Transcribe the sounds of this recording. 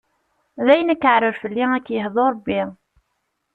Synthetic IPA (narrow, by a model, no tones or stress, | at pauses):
ðæjnækːəʕɾəɾfəlːiækːjəɦðˤoɾˤɑbːi